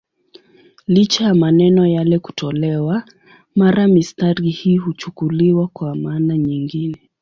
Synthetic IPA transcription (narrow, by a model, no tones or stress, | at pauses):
lit͡ʃajamanɛnɔjalɛku̥tɔlɛwa | maɾamistaɾihiːhut͡ʃukuliwakwamaːnaɲiŋɡinɛ